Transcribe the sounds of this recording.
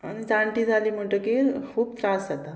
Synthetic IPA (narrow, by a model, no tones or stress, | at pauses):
añid͡zãɳʈiːd͡zʱaliːm̤əɳʈəkikʰuːb̚t̪ɾaszat̪a